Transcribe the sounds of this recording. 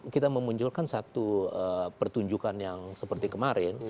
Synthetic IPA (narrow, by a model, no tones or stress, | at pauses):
kit̪aməmuɲt͡ʃʊlkansat̪uəpərt̪uɲd͡ʒukanjaŋsəpərt̪ikəmaɾɪn